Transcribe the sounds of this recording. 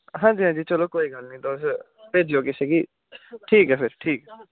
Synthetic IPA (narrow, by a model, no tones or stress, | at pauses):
ɦãːɲd͡ʒiːɦãːd͡ʒiːt͡ʃəloːkoːiːɡəlnĩːt̪oːs | peːd͡ʒioːkɪseɡiː | ʈʰiːkɦɛːpʰɪɾʈʰiːkɦɛ